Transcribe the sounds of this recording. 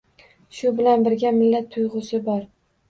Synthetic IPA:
ʃʊbɪlanbɪɾɡʲamɪlːat̪ʰːʊjʁʊsɪbɒɾ

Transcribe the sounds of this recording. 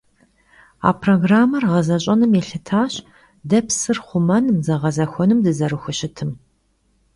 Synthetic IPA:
a̰ːpʰroɡraːmɐrʁɐzɐɕʼɐnɨmjeɬɨtʰaːɕʼ | dɐpsɨrχʷʊmɐnmzɐʁɐzɐxʷɔnɨmdɨzɐrɨxʷʊɕɪtʰɨm

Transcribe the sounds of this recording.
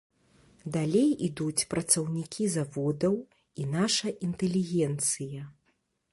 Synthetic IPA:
d̪alʲejid̪ut͡sʲpɾɐt̪sɐwnʲikʲʰizavɔd̪ɐw | inaʂɐʔint̪ɛlʲiɣʲɛnt̪sɨjɐ

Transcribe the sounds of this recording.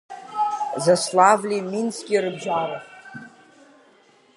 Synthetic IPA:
zaslavlʲiminskʲʼirɨbd͡ʒara

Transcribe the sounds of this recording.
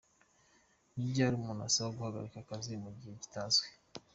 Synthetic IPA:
nibɟaːɾiumuna̰sawoɡuhaɡa̰ɾikakazimuɟiheɟi̥taːnzwe

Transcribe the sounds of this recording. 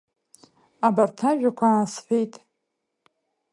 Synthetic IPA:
abartʰaʒᶣakʷʰaːsħʷᶣejtʼ

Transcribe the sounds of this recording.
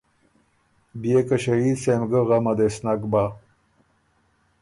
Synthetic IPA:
bijekaɕɐiːd̪semɡəɣamɐd̪esnakba

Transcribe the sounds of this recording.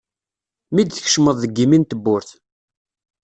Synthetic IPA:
mid̪θə̥çʃməðˤðəɡːimint̪əbːʊɾθ

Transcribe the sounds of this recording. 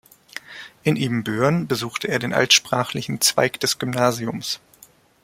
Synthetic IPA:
ʔɪnʔiːmbøːʁnbəzuːxtʰəʔeːɐdeːnʔa̰ltʃpʁ̥aːχlɪçn̩t͡sv̥a̰ɪkd̥ɛsɡ̥ʏmnaːziʊms

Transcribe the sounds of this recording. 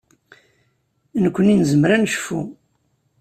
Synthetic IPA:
nəkʷːəninzəmɾænʃfṵ

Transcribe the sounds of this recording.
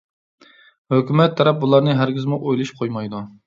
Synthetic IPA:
høkʲymɛt̪ʰːɑɾɛp̚bulˠɑɾnɨɦæɾɡʲɪzmuʔojlˠɨʃqʰojmɑjd̪u

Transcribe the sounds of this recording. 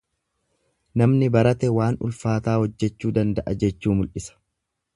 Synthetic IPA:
nɐmnɪbɐɾɐt̪ɛwaːnʊ̰lfaːt̪aːhɔd͡ʒːɛt͡ʃːuːd̪ɐnd̪ɐʔɐd͡ʒɛt͡ʃːuːmʊlʔɪsɐ̥

